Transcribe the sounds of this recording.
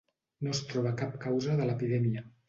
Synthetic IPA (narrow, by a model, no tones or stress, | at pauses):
nost̪ɾɔβəkap̚kawzəðələpiðɛmiə